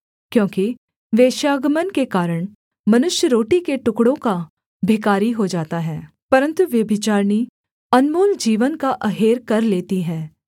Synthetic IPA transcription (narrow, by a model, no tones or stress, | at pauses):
kjõːki | ʋeːʃaːɡmənkekaːɾəɽ̃ | mɐnʊʃjəɾoːʈikeʈʊkɽõka | bʱɪkaːɾiɦod͡ʒaːt̪aɦɛː | pɐɾə̃nt̪uʋjɐbʱɪt͡ʃaːɾni | ɐnmoːld͡ʒiːʋənkaʔɐɦeːɾkɐɾleːt̪iɦɛː